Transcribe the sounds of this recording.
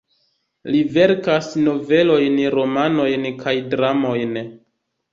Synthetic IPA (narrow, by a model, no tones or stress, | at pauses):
live̞ɾkasno̞ve̞lo̞jnɾo̞mano̞jnkʰajdɾamo̞jn